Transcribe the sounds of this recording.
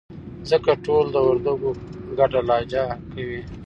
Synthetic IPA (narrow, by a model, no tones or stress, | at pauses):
zəkaʈold̪əwaɾd̪aɡoɡaʈalɑːd͡ʒakawi